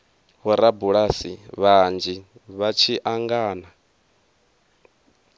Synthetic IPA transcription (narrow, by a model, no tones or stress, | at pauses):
wɔɾabuɺasiβand͡ʒiβat͡ʃʰiʔaŋɡaːna